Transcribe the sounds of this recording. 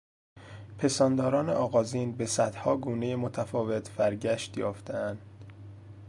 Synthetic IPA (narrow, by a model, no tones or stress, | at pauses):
pʰe̞sɒːnd̪ɒːɾɒːnḛʔɒːɣɒːziːnbe̞sæd̪hɒːɡuːne̞jemot̪ʰæfɒːve̞t̪ʰbæɾɟæʃt̪jɒːft̪ʰeænd̪̥